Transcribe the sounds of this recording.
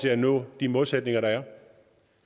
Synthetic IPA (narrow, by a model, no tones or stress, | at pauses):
e̝ænɔ̰̽ːd̥imoːlˠsed̥ne̝ŋɐɾɑ̈æɐ